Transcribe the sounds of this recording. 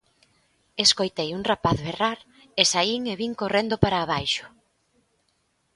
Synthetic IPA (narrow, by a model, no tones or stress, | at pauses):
eskojt̪ejuŋrapaθβeraɾ | esaiŋeβiŋkorend̪opaɾaːβ̞ajʃʊ̥